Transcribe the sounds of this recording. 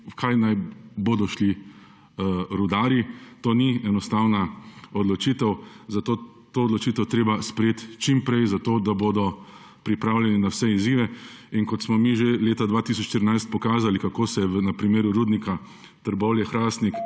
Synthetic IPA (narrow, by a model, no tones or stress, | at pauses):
kʰajnajboːd̪ɔʃli | ɾud̪aːɾit̪oːniɛnɔst̪awnaɔd̪lɔt͡ʃit̪ɛwzat̪oː | t̪oːd̪lɔt͡ʃiːt̪ɛwt̪ɾeːbaspɾɛjet̪t͡ʃimpɾɛjzat̪oːd̪aboːd̪ɔ | pɾipɾawljɛninawsɛiziːʋɛinkɔt̪smɔmiʒeleːt̪ad̪ʋaːt̪is̬ɔt͡ʃʃt̪iɾinajst̪̚pɔkaːzalikakoːsɛɛʋnɐpɾimeːɾuɾuːd̪nika | t̪əɾbɔljɛxɾaːst̪nik